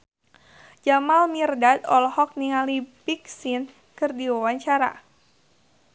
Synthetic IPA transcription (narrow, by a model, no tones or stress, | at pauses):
d͡ʒamalmirdat̪ɔlhɔk̚niŋalipik̚sin | kɨrdiwawaɲt͡ʃaɾa̰